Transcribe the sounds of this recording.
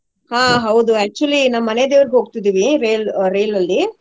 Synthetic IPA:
hãːɦɐwd̪uæːk̚t͡ʃuɐlinaːʋːɐned̪eʋɐɾiɡeɦoːɡ̚t̪id̪iːʋiɾeːlɾeːlɐlːi

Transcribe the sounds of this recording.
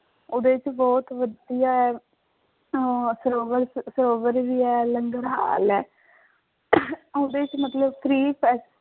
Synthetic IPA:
oːd̪eːt͡ʃbɔːt̪ʋəd̪ijaːɛː | səɾoːʋəɾsəɾoːʋəɾʋiːɛːləŋɡəɽɦa̰ːlɛː | oːd̪eːt͡ʃmət̪ləbpʰɾiːpʰɛːs

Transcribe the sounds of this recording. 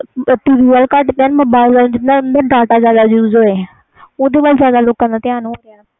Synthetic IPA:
ʈiːʋiːʋəːlkəʈpɛ̃ːnmoːbaːɪlkəld͡ʒɪt̪nãnd̪əɾɖaːʈaːzjaːd̪aːd͡ʒjuːzoːeː | oːd̪eːbalzjaːd̪aːloːkãːd̪aːt̪ɪaːnũa

